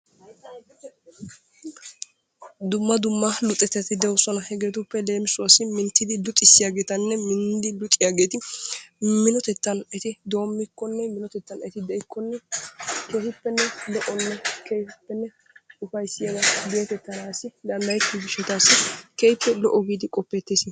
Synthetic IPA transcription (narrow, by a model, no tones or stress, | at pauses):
d̪ʊmːɐd̪ʊmːɐlʊt̪ʼɛt̪ːɛt̪ɪd̪ɛwsɔnɐhɛɡe̞ːt̪ʊpːɛle̞ːmɪsʊasːɪmɪnt̪ːɪd̪ɪlʊt̪ʼːɪsːɪjaːɡe̞ːt̪ɐnːɛmɪnd̪ɪlʊt̪ʼːɪjaɡe̞ːt̪ɪ | mɪnɔt̪ɛt̪ːɐnɛt̪ɪd̪o̞ːmːɪkːɔnːɛmɪnɔt̪ɛt̪ːɐnɛt̪ɪd̪ɛɪkːɔnːɛkeːfɪpːɛnːɛlɔʔɔnːɛkejhɪpːɛnːɛ | ʊfɐjsːɪjɐd̪ɐd̪eɛt̪ɛt̪ːɐnaːsːɪd̪ɐnd̪ɐjɪkːɪɡɪʃːɛt̪aːsːɪkejpːɛlɔʔɔɡiːd̪ɪkʼɔpːɛt̪ːesɪ